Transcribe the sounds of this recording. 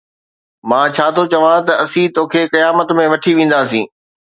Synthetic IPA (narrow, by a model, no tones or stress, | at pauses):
mãːt͡ɕʰaːt̪ʰot͡ɕɐʋãt̪ɐɐsĩt̪oːkʰeːkɐjaːmət̪mẽʋɐʈʰiʋẽːn̆d̪aːsḭ̃ː